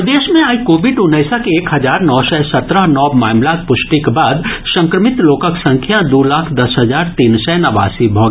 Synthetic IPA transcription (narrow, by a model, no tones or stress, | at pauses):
d̪eːʃmẽaːikoːʋɪɖʊnəːsakeeːkɦɐzaːɾnɔːsɛsɐt̪ɾəɦnɔːbmaːmlakpʊʃʈikbaːd̪sɐ̃ŋkɾəmɪt̪loːkəksɐ̃ŋkʰjad̪oːlaːkʰd̪ɐsɦɐzaːɾt̪iːnsɛnɐʋa̰ːsibʱɔːɡ